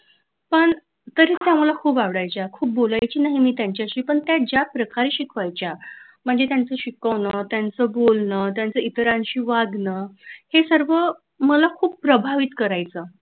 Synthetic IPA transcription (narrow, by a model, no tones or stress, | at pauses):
pəɳ | t̪əɾiːt̪jam̤əlakʰuːbaʋɽajt͡ɕjakʰuːp̚bolajt͡ɕiːnaɦimiːt̪jaɲt͡ɕjaɕiːpəɳt̪jad͡ʑjapɾəkaɾeɕikʰʋajt͡ɕja | m̤əɳd͡zet̪jant͡səɕikəʋnət̪jant͡səbolnət̪jant͡səit̪ɾanɕiːʋaɡnəːhesəɾʋə | məlakʰuːb̚pːɾəbʱaʋiːt̪kəɾajt͡sə